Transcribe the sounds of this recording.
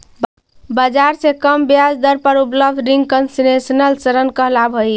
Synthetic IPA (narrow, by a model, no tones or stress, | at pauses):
bəd͡ʒaɾsekəmbjad͡ʒd̪əɾpəɾupləb̚ʱd̪ʱɾiŋɡ̚kənsinesənəlsəɾənkəɦlabʱəj